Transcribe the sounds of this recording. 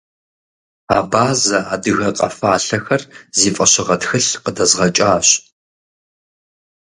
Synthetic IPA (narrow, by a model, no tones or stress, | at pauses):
aːbaːzɐaːdɨɣɐqʼɐ̰faːɬɐxɐrziːfʼɐɕɪʁɐtxɨɬqədɐzʁɐt͡ʃʼaːɕ